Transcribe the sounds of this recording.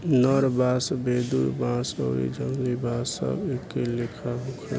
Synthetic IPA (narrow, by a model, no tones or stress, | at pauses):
nəɾbasbed̪uɾbãso̰ḭd͡ʒəmlibasə̰bekːelekʰaɦokʰə̰